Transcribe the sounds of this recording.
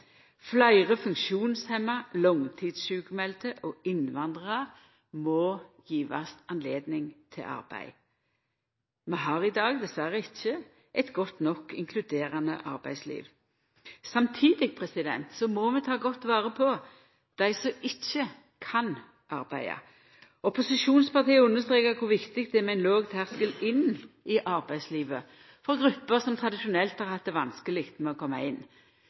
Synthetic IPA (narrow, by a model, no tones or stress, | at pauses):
flæɪʁəfʉŋkʃuːnshɛmɑlɔŋt̪ʰiːd̪sʃʉːkəmɛlt̪əʔɔːɪnʋɑnd̪ʁəʁɑʁ | mɔjiːʋɑ̰sɑnleːd̪nɪŋt̪ʰɪ̰lʔɑ̰ɾbæ̰ɪ | mɛɦɑːʁɪd̪ɑːɡd̪ɛsʋæɾəɪçːə | ʔɛɪt̪ɡɔt̪nɔkːɪ̰ŋkʰlʉd̪eːɾɑnəʔɑɾbæ̰ɪslḭːʋ | sɑmt̪ʰiːd̪ɪɡ̚pʰʁɛsɪd̪ɛ̰nt̪sɔmɔmɛt̪ʰɑːɡɔt̪ːʋɑːʁəpʰɔ | d̪̥æɪsɔʔɪçːə | kʰɑn | ʔɑɾbæ̰ɪɑ̰ | ɔpʊsɪʃuːnspɑʁt̪iːəʉnːəʁst̪ɾeːkəɾkʰʊɾʋɪkt̪ɪk̚t̪̚d̪ɛmɛæɪnloːɡt̪ʰæːʁskəlɪnɪʔɑɾbæɪsliːʋə | fɔɾɡɾʉpːəʁsɔmt̪ʰʁɑd̪ɪʃʊnɛlt̪hɑʁhɑt̪̚d̪ɛʋɑnskəlɪkt̪mɛɔkʰɔmːɑ̰ɪnː